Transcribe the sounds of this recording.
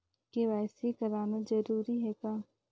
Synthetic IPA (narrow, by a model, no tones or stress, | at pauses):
keʋaːsekɐɾaːnazɐɾuːɾiɦɛːkaː